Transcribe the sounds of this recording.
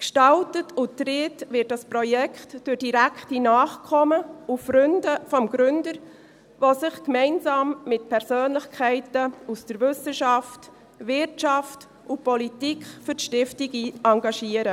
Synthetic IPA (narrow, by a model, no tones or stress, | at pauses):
kʃtɑltətʰʊtɾɪtvɪt̚d̥ɑspɾɔjɛkχtd̥ʊɾd̥iɾækχtinɑːχkʰɔməufɾʏndəfɔmɡ̥ɾʏndəɾ | ʋosɪχkmɛɪnsɑːmːɪtpʰɛɾsøːnləχkʰɛɪtəusd̥əɾvʏsəʃɑft | ʋɪrtt͡ʃɑft | ʊpɔlitikχfʏɾʃtɪftiɡiɑŋɡɑʃiəɾə